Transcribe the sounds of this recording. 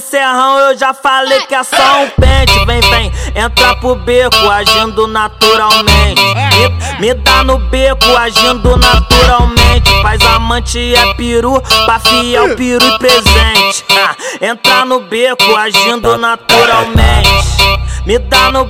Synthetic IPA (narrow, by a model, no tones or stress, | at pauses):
seɦɐ̃w̃ewʒafalejkɪɛsɔʊ̃pẽt͡ʃɪvẽj̃vẽj̃ẽnt̪ɾapʊbekʊaʒĩd̪ʊnat̪uɾawmẽt͡ʃɪɪmɪmɪd̪anʊbekʊaʒĩnd̪ʊnat̪uɾawmẽnt͡ʃɪ̥fajzamɐ̃t͡ʃiɐpiɾupafiɛwpiɾupɾezẽt͡ʃɪ̥ẽt̪ɾanʊbekʊaʒĩnd̪ʊnat̪uɾawmẽt͡ʃɪ̥mɪd̪anʊ